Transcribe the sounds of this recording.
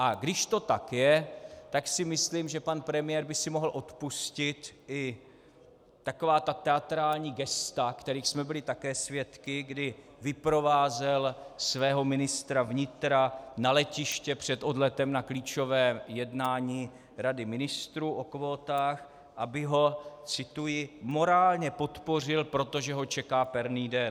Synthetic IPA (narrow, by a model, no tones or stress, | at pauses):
ʔaɡdɪʃt̪o̞t̪akjɛt̪aksɪmɪsliːmʒɛpanpɾɛmɪjɛɾbɪsɪmo̞ɦl̩ʔo̞t̪puscɪt̪ʔɪ | t̪ako̞vaːt̪at̪ɛat̪ɾaːlɲiːɡɛst̪akt̪ɛɾiːxsmɛbɪlɪt̪akɛːsvjɛt̪kɪɡdɪ | vɪpɾo̞vaːzɛlsvɛːɦo̞mɪnɪst̪ɾavɲɪt̪ɾanalɛcɪʃcɛpr̝̥ɛt̪o̞dlɛt̪ɛmnakliːt͡ʃo̞vɛːjɛdnaːɲiː | ɾadɪmɪnɪst̪ɾuːʔo̞kvoːt̪aːx | ʔabɪɦo̞t͡sɪt̪ujɪmo̞ɾaːlɲɛpo̞t̪po̞r̝ɪlpɾo̞t̪o̞ʒɛɦo̞t͡ʃɛkaːpɛɾniːdɛn